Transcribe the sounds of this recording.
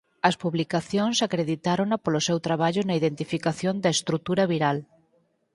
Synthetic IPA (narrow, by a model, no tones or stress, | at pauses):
ɐspuβlikaθjoŋsakɾeðit̪aɾonɐpolosewt̪ɾaβ̞aʎʊnɐiðent̪ifikaθjond̪ɐest̪ɾut̪uɾɐβiɾal